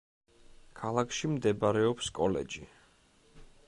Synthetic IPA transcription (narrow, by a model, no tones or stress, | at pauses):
kʰalˠakʰʃimd̪ɛbaɾɛɔpskʼɔlɛ̰d͡ʒi